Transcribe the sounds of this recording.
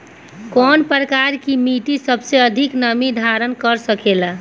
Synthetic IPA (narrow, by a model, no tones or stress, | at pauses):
kɔnpɾəkaɾkimiʈisəbseəd̪ʱiknəmid̪ʱaɾənkəɾsəkela